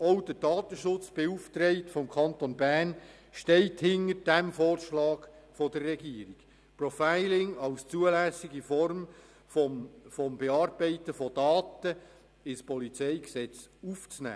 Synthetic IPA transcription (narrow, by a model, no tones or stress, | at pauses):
ɔʊd̥ədɑːt̪əʃʊt͡sb̥euftɾeɪtfɔmkʰɑntonbærn | ʃtɛɪthɪnəɾd̥æmfoːrʃlɑːɡfɔd̥ərːɛɡiːɾiɡ | prɔfaɪlɪŋɑwst͡suəlæsɪɡifɔrm | fɔfɔmbeɑːrbɛɪtəfɔdɑːtə | ɪspɔlit͡seɪksɛt͡suft͡snæ̰ː